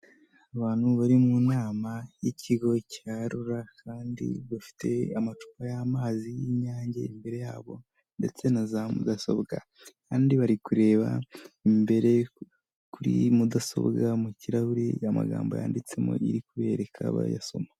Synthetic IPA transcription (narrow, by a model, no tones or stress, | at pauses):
aβaːn̥huβaɾimunaːmajicʰiɡo̞caɾuɾakaːndḭβafi̥tʰe̞̰amat͡ʃu̥kajamaːzijiɲaːɲɟḛimbe̞ɾe̞jaːβo̞̰ | nde̞̰t͡se̞nazamṵd̪aso̞̰βɡa̰ | kaːndiβaɾikuɾe̞ːβaimbe̞ɾe̞ | kuɾḭmudaso̞̰βɡamuciɾahuɾiama̰ɡaːmbo̞ja̰ːndit͡se̞mo̰iɾikuβe̞ːɾe̞kʰaβa̰ja̰so̞̰ma